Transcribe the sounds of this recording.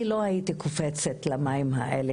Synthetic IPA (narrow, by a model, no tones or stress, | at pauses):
ilo̞hajit̪ikofet͡setlamaimɦa̰ʔele